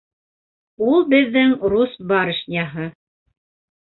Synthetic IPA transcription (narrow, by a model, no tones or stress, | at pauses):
ulˠbɘ̆ðːɘŋrusbɑɾɘ̆ʃnʲɑɦɤ